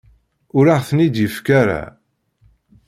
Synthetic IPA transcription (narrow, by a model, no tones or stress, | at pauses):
ʊɾaʁθənid̪jəfkaɾa̰